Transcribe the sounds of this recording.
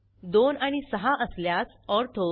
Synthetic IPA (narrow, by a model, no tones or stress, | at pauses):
d̪onaɽ̃isəɦãʔəsljat͡s | ɔɾt̪ʰo